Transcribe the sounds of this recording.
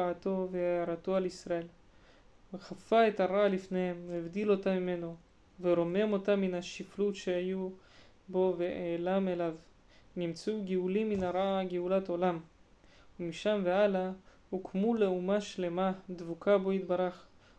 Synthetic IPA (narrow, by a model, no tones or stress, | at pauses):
aat̪o̞veaaɾat̪o̞alisɾae̞l | veχafaet̪aɾaalifnehemːvd̪ilo̞t̪amime̞no̞ | veɾo̞me̞mo̞t̪amːinaʃiflutʃeaju | bo̞veʔeːlamelav | nimt͡suɡiulimːinaɾaaɡeulat̪olam | umiʃamveala | hukʰmuleumaʃle̞mad̪vukʰabo̞it̪baɾaχ